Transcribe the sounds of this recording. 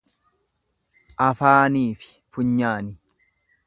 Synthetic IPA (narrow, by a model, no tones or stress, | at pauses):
ʔɐfaːniːfɪ̥ | fʊɲːaːnɪ